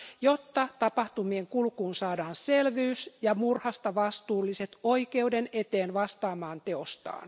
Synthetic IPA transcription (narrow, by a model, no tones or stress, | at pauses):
jot̪ːɑt̪ɑpɑht̪umieŋkulkuːnsɑːdɑːnselʋyysjɑmurhɑst̪ɑʋɑst̪uːlːiset̪oike̞udenet̪eːnʋɑst̪ɑːmɑːnt̪e̞ost̪ɑ̰ːn